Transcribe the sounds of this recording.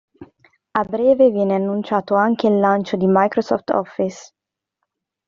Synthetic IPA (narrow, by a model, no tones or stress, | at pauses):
abːɾɛːvevjɛːneanːunt͡ʃaːt̪oaŋk̟eilːant͡ʃod̪imajkɾosɔ̰ft̪ɔ̰fːis